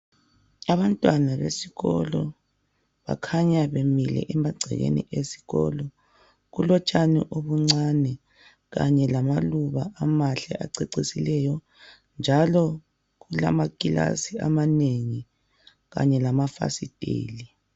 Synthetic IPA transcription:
aβantʼwanaβesiɣɔlɔ | βa̰kʰaɲaβemilɛ̰ʔɛmaɡ͡ǀʱɛ̰ɣḛnḭʔesi̥ɣɔ̰lɔ | ɣulɔt͡ʃʼaniʔoβuŋ͡ǀanɛ | ɣa̰ɲɛlamaluβaʔamaɬɛ̰ʔaǀeǀisilɛjɔ | nd͡ʒʱalɔ | ɣula̰makʼila̰siamaneŋi | ɣa̰ɲɛlamafa̰sid̥ʱʼḛːli

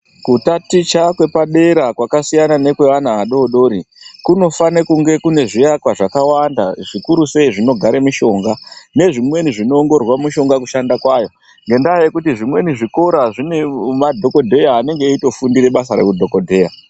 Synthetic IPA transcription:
kutatit͡ʃakwe̞paɗe̞ɾakwakasijanane̞kwe̞ʋanaːɗo̞ːɗo̞ːɾikuno̞fanekuŋɡe̞kune̞ʐijakwaʐakawanda̰ʐikuɾuse̞iʐino̞ɡʱaɾemiʃo̞ŋɡane̞ʐimwe̞niʐino̞ːŋɡo̞rwamiʃo̞ŋɡakuʃandakwaːjo̞ | ŋɡe̞ndaːjekutiʐimwe̞niʐiko̞ɾaʐinemadʱo̞ko̞dʱe̞jaːne̞ŋɡe̞ito̞fundiɾe̞ɓasaɾe̞̰kudʱo̞ko̞dʱe̞ːja

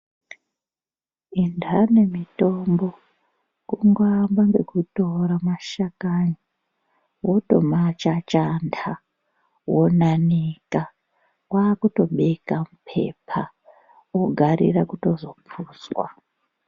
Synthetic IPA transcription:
indʱane̞mito̞mbo | kuŋɡambaŋɡe̞kuto̞ɾamaʃakaɲi | woto̞̰mat͡ʃat͡ʃandʰa | wonanika | waːkuto̞ɓekamupʰe̞̰pʰa | oɡʱaɾḭrakuto̞zopuːswa

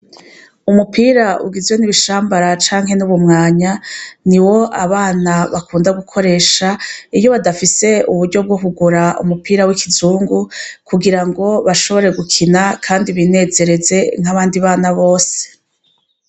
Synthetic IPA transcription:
umupiːɾaʔṵɡizwe̞niβiʃaːmbaɾat͡ʃaːŋɦe̞nuβumŋaːɲaniwo̞ʔaβaːnaβakuːndaɡukʰo̞ɾe̞ːʃaijo̞βadafise̞uβuɾɟo̞b̚ɡoɦuɡuɾaṵmupiːɾawikizuːŋɡukuɡiɾaŋɡo̞βaʃo̞βo̞ɾe̞ɡukʰinakʰaːndiβine̞ːze̞ɾe̞ze̞ŋ̥haβaːndiβaːnaβo̞ːse̥

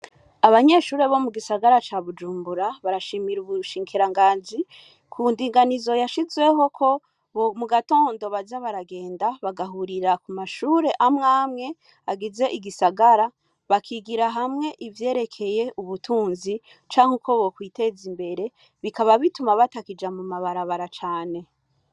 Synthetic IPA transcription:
aβaɲe̞ːʃuːɾe̞βo̞muɡisaɡaɾat͡ʃaβud͡ʒuːmbuɾaβaɾaʃimiɾuβuʃiːŋkʰiɾaŋɡaːnzi | kʰundiːŋɡanizo̞jaʃizwe̞ho̞kʰo̞ | βomuɡato̞ːndoβazaβaɾaɡe̞ːndaβaɡaɦuɾiɾakumaʃuːɾe̞ʔamŋaːmŋe̞ | aɡize̞ʔiɡisaɡaɾa | βakʰiɡiɾaɦamŋe̞ʔivje̞ːɾe̞kʰe̞je̞ʔuβutʰuːnzi | t͡ʃaːŋokʰo̞βo̞kwiːte̞zimbe̞ɾe̞ | βikaβaβitumaβatakid͡ʒamumaβaɾaβaɾat͡ʃaːne̞

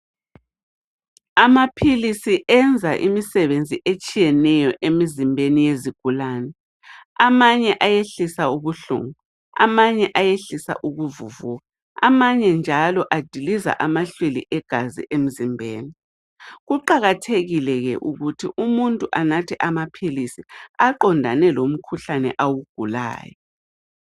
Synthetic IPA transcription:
amapʰilisiʔɛnd͡zʱaʔimisɛβend͡zʱiʔet͡ʃʼijɛnɛjɔʔemizimbʱenijeziɡ̥ʱulaːnɛ | amaɲɛʔajeɬisauβuɬṵŋu | a̰maɲɛʔajeɬisa̰ʔuɣuvuvuːɣa | a̰maɲɛnd͡ʒʱalɔʔad̥ʱiliza̰ʔamaɬwelḭʔɛɡ̥ʱazḭʔem̩zimbʱeːni | ɣuǃaɣatʰeɣilɛɣɛʔuɣutʰiʔumuntʼuʔanatʰɛʔamapʰilisiaǃɔndʱa̰nɛlom̩kʰuɬanɛ̰ʔawuɡ̥ʱula̰ːjɔ

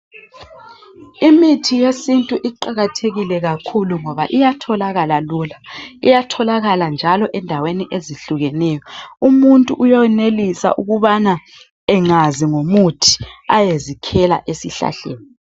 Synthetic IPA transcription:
imitʰijesintʼuʔiǃaɣatʰeɣilɛɣakʰuluŋɔβaʔijatʰɔlaɣalaluːlaijatʰɔlaɣaland͡ʒʱalɔʔɛndʱaweniʔeziɬuɣɛnɛːjɔumuntʼuʔːjɔɛnelisa̰ʔuɣuβana | ɛŋaziŋomutʰi̥ajezikʰɛla̰ʔesiɬa̰ɬeːni

